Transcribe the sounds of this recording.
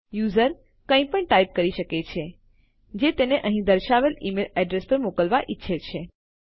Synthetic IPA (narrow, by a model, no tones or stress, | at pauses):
juzəɾ | kə̃ĩpəɳʈaip̚kəɾiʃəket͡ʃʰe | d͡ʒet̪eneʔəɦĩd̪əɾʃaʋelimelɛɖɾespəɾmokəlʋaʔitːʃʰet͡ʃʰe